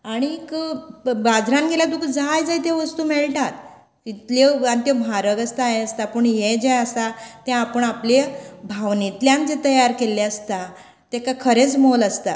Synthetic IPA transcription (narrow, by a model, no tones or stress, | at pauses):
aɽ̃ik | bad͡zʱɾãnɡʱelat̪ukəd͡zajd͡zajt̪eʋəst̪uːmeɭʈat̪ | it̪leanit̪ebʱaɾəɡəst̪aɦeəst̪apəɳjed͡ʑejəst̪at̪jãapəɳaplebʱaʋnit̪ljãnd͡zet̪əjaɾkeleəst̪a | t̪ekakʰəɾet͡smoləst̪a